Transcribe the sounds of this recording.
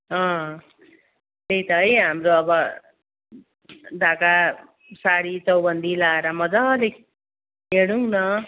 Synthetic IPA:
ʌ̃ | t̪ejt̪ʌɦʌjɦamɾoʌbʌ | d̪ʱaka | saɽit͡sʌwbʌnd̪ʱilaeɾʌmʌd͡zʌle | ɦeɽ̃uŋnʌ

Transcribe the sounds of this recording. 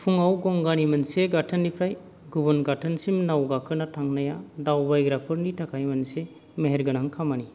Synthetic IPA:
pʰuŋawɡɔŋɡanimɐnseɡatʰɐnːipʰɾaj | ɡubɔnɡatʰɐnsimnawɡakʰɯnatʰaŋnajadawbajɡɾapʰɯɾnitʰakʰajmɐnse | meɦeɾɡɯnaŋkʰamani

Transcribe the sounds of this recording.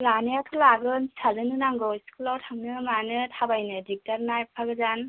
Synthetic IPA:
lanɯjatʰɯlaɡɯnsʰazɯnɯnaŋɡɯskʰulawtʰaŋnɯmanɯtʰabajnɯdik̚taɾnajpʰaɡɯzan

